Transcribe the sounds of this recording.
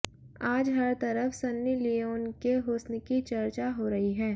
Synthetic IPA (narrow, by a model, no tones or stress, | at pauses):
aːd͡ʒɦɐɾt̪ɐɾəfsɐnːjilijoːnkeɦoːsnkit͡ʃɐɾt͡ʃaɦoɾɐɦiɦɛː